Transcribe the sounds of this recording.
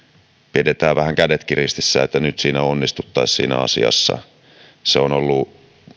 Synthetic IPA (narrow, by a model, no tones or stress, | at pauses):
pidet̪æːʋæhæŋkædet̪kirist̪isːæ̰et̪ːænyt̪siːnæonːist̪ut̪ːɑissḭːnæ̰ɑ̰sḭɑ̰sːɑ̰ | seonolːu